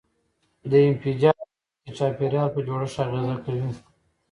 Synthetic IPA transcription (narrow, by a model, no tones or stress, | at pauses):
d̪əɪmfid͡ʒɑ | ət͡ʃɑpeɾjɑlpəd͡ʒoɽəʃaɣezakawi